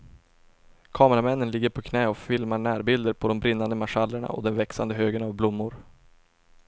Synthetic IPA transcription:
kʰɑːməɾamɛnːənlɪɡːəɾpʰɔkʰnɛːɔfɪlmaɳæːɾbɪld̪əɾpʰɔd̪ɔmbɾɪnːand̪əmaʂalːəɳa̰ɔ̰d̪ɛnvɛksand̪əɦøːɡənavblʊmːʊɾ

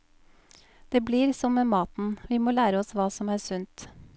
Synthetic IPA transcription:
d̪̥eːbliːɾsɔmmemɑːt̪n̩ʋiːmoːlæːɾəɔsʋɑːsɔmæːsʉnt̪

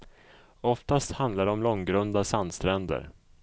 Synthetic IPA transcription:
ɔft̪ast̪hand̪laɾɔmlɔŋɡɾɵnd̪asand̪st̪ɾɛnd̪ə̰ɾ

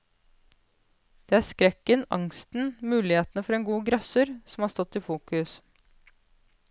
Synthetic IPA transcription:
d̪̥eːæːskɾɛkːənɑ̰ŋst̪n̩mʉːlɪheːt̪n̩əfɔɾeːnɡuːɡɾɑsəɾsɔmhɑːst̪ɔt̪ːiːfuːkʉs

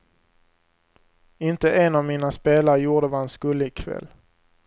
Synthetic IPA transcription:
ɪnt̪əʔɛnavmiːnaspeːlaɾəjuːɖəvaːɛnskɵlːəɪkʰvɛ̰lː

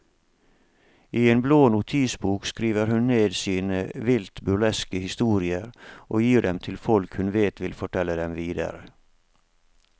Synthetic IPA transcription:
iːeːnbloːnʊt̪ʰiːsbuːkskɾiːʋəɾhʉnneːd̪siːnəʋɪlt̪bʉlɛskəhɪst̪uːɾɪəɾʔoːjiːɖɛmt̪ʰɪlfɔlkhʉnʋeːt̪ʋɪlfɔʈʰɛlːəd̪ɛmʋiːd̪ə̰ɾə

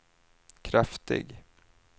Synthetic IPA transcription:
kʰɾaft̪ɪ̰ɡ

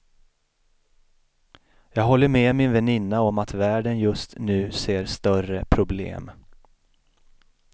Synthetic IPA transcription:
jɑːɡɦɔlːəɾmeːmɪnvɛnɪnːaɔmat̪væːɖənjɵst̪nʉ̟ːseːɾst̪œrəpʰɾʊblḛːm

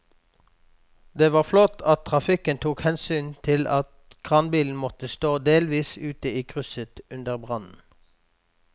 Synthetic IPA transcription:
d̪eːʋɑːʁflɔt̪ʰɑt̪̚t̪ʰʁɑfɪkənt̪ʰuːkhɛnsyːnt̪ʰɪlʔɑt̪kʰʁɑːnbiːln̩mɔt̪əst̪oːd̪eːlʋiːsʉːt̪əiːkʰʁʉsət̪ʉnd̪əʁbʁɑnn̩

